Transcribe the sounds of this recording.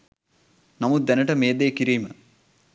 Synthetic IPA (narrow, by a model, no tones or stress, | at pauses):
nɐmud̪ɛnɐʈɐmeːd̪eːkiɾijmə